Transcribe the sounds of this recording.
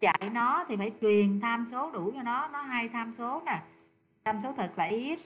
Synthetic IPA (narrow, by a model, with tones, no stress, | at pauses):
t͡ɕa̰˧˩˨jnɔ˨˦t̪ʰi˨˩faː˧˩jt͡ɕwi˨˩ənt̪ʰaː˧mso˨˦ɗu˧˩t͡ɕɔ˧wnɔ˨˦nɔ˨˦ɦaː˧jt̪ʰaː˧mso˨˦naː˨˩ | t̪ʰaː˧mso˨˦t̪ʰə˨˩t̚laː˨˩ʔi˦˥ət̚